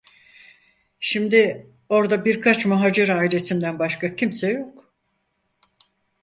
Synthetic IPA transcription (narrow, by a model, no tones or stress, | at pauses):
ʃimd̪ɪ | o̞ɾd̪abiɾkʰat͡ʃmaɦaːd͡ʒeɾaːilʲe̞simd̪ænbaʃkacʰimsɛjo̞k